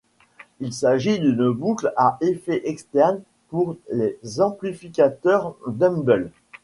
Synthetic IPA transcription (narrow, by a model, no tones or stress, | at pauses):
ilsaʒid̪ynbuklaʔefɛʔɛkst̪ɛʁn | puʁlezɑ̃plifikʲat̪œʁd̪ɛ̃mbɛl